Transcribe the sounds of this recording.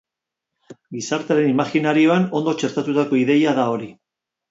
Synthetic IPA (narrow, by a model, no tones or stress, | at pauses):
ɡisaɾt̪eaɾe̞nimaxinaɾio̞ano̞nd̪o̞t͡ʃe̞ɾt̪at̪ut̪ako̞iðe̞jaðao̞ɾi